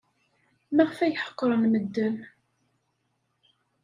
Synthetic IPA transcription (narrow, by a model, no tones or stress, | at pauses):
mæʁəfæjħə̥qːɾˤənməd̪ːəm